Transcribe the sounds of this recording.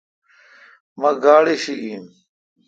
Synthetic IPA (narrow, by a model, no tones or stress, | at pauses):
mɐɡaːɽiɕiɡiːn